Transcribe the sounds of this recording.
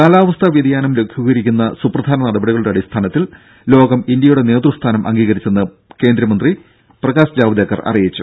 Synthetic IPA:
kaːlaːʋɐst̪ʰɐʋjɐd̪ijaːnɐmlekʰjuɣɐjiɾikʲːunːɐsuprɐd̪ʱaːnɐnɐɽɐbɐɽiɣɐɭuɽeɐɽist̪ʰaːnɐt̪ːil | lo̞ːɡɐmind̪jɐjuɽe̞ne̞ːt̪rust̪ʰaːnɐmʔɐ̰ŋɡiːɣɐɾit͡ɕːenːɨ | ke̞ːnd̪ɾɐmɐnd̪ri | prɐɣaːsd͡ʑaːʋɐd̪jɐkːɐrɐ̰rijit͡ɕːu

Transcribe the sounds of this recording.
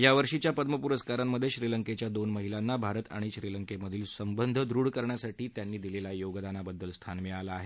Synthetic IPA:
jaʋəɾʂit͡ɕjapəd̪məpuɾəskaɾamːəd̪ʱjeɕɾiləŋket͡ɕjad̪onməɦilanːabʱaɾət̪a̰ɽ̃iɕɾiləŋkeməd̪ʱiːlsəmbənd̪ʱd̪ʱɾuɽkəɾɳjasaʈiːt̪janːiːd̪ilelajoɡd̪anabəd̪ːəlst̪ʰanmɛɭalaːɦe

